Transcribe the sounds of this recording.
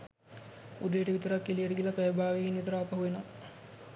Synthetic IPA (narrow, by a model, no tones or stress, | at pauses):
ud̪əjeʈəʋit̪əɾakːilijəʈəɡilapæjbaːɡeɦinʋit̪əɾaːpɐɦuʋeno